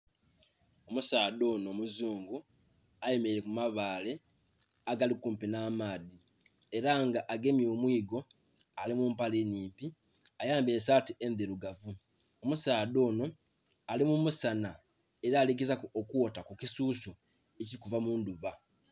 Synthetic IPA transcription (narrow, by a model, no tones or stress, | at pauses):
o̞musaːdo̞ːnoːmuzuːŋɡu | aje̞meiɾe̞kumaβaːle̞ | aɡalikuːmpinaːmaːði | e̞ɾaŋɡaʔaɡe̞mjo̞ːmwiːɡo̞ | alimumpaliniːmpi | ajaːmbesaːtie̞nðeɾuɡavu | omusaːdo̞ːno̞ | alimumusana | e̞ɾaːlik̬izakuokwotakukisuːso | eciɾikuvamuːnduβa